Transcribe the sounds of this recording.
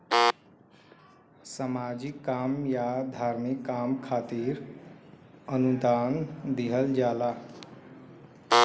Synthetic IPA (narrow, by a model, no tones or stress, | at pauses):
samad͡ʒikːamjad̪ʱaɾmikːamkʰat̪iɾ | ənud̪ʱand̪iɦəld͡ʒala